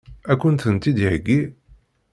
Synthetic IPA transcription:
ækʷːunt̪ənt̪ːid̪iʕəɡːi

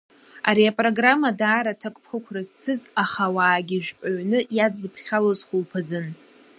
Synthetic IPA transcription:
a̰ɾiapʼro̞ɡramːadaːɾatʰakʷʼpʰχəkʷʰrɨzt͡sʰɨzaχawaːɡʲiʒᶣpʼaɥnɨjad͡zɨpʰχʲalozχʷʊlpʰazɨn

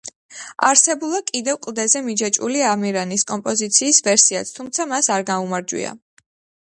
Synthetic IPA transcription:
aɾsɛbulˠakʼid̪ɛvkʼlˠd̪ɛzɛmid͡ʒat͡ʃʼṵliamiɾaniskʼɔmpʼɔzit̪sʰiːsvɛɾsiat̪sʰt̪ʰumt̪sʰamasaɾɡaumaɾd͡ʒwḭa̰

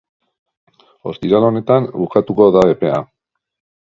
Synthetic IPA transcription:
o̞̰st̪iɾalo̞ne̞t̪ambukat̪uko̞ðaβe̞pe̞a

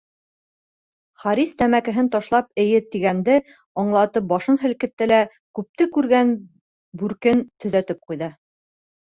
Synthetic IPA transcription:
χɑɾist̪æmækɘ̆ɦɘnt̪ɑʃlˠɑp̚ɘ̆jɘt̪iɡænd̪ɘ | ɑɴlˠɑt̪ɤp̚bɒʃɤnɦɘ̆lkɘ̆t̪ːɘlæ | kʉp̚t̪ɘkʉɾɡæn | bʉɾkɘnt̪ɵ̆ðæt̪ɘp̚qujðɤ

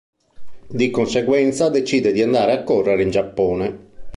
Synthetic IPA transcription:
d̪ikonsɛɡwɛnt̪sad̪et͡ʃiːd̪ɛd̪iand̪aːɾeakːɔrːeɾeind͡ʒapːɔːnɛ

